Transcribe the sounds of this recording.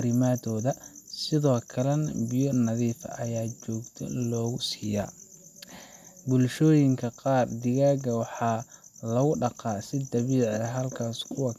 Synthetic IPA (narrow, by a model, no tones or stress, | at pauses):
ɾɪmaːd̪ɔːðɐsɪðɔːkʰɐlɛnbɪjɔnɐðiːfɐ̰ʔɐjaːt͡ʃɔːɡt̪ʰɔ̰lɔːɣʊsiːja̰ː | bʊlʃɔːjɪŋkʰɐqɑːrd̪ɪɣaːɡɐwɑħɑːlɐɣʊɖɑqɑːsɪd̪ɐβiːʕɛɦɐlkʰaːskʰʊwɐ